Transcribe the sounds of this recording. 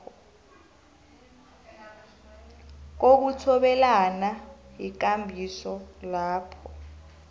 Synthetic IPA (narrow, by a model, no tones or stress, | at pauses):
k̬ok̬utʰɔɓɛlanajik̬ambʱisɔlaːpʰɔ